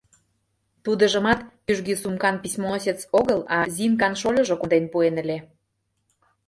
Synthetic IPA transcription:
t̪ud̪ə̆ʒə̆mɑt̪pyʒɡisumkɑnpisʲmosʲet͡soɣəlɑzʲimkɑnʃolʲɤ̆ʒokod̪enpuenə̆lʲe

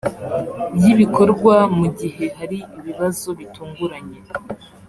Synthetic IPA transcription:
bjiβiko̞ɾɡwamuɟihe̞haɾiiβiβazo̞βituːŋɡuɾaɲe̞

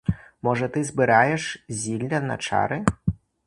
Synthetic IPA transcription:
mɔʐɐt̪ɨzbɨɾajɛʂzʲilʲːɐnɐ̰t͡ʂa̰ɾɨ

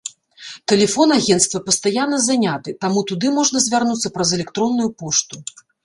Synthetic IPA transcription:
t̪ɛlʲɛfɔnaɣʲɛnt̪st̪vɐpɐst̪ajanːɐzanʲat̪ɨt̪amut̪ud̪ɨmɔʐnɐzʲvʲarnut̪sːɐpɾɐzɛlʲɛkt̪ɾɔnːujupɔʂt̪u

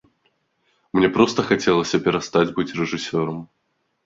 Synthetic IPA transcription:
mnʲepɾost̪əxɐtʲelˠəsʲɐpʲɪɾɐst̪ad͡zʲbɨtʲrɨʐɨsʲoɾəm

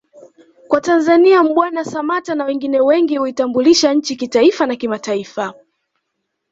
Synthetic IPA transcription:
kwatanzaniam̩ɓwanasamatanawɛŋɡinɛwɛŋɡihuitambuliʃaɲ̩t͡ʃikitaifanakimataifa

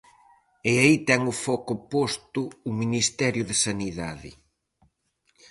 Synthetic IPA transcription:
ɪait̪ɛŋʊfɔkʊpost̪ʊːminist̪ɛɾjʊðɪsaniðaðɪ̰

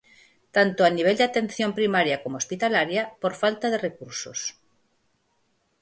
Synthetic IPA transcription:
t̪ant̪oaniβ̞eld̪eat̪ẽn̟θjõmpɾimaɾjɐkomospit̪alaɾjɐpoɾfalt̪aðerekuɾso̰s

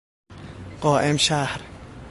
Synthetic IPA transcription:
qɑːʔɪmʃahɾ

